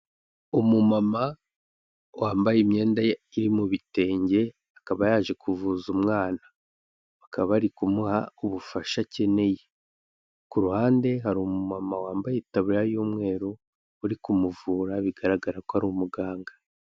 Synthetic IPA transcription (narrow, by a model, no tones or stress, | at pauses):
umumama | waːmbajemɲe̞ːndaiɾimuβite̞ːɲɟe̞ | akaβajaːʒe̞kʰuvuzumŋaːnaː | kaβaɾikumuhauβufaʃace̞ne̞je | kuɾuhaːnde̞ɦaɾumumamawaːmbajetaβujajuːmŋe̞ːɾoː | ɾikumuvuːɾaβiɡaɾaɡaɾakohaɾuumuɡaːŋɡa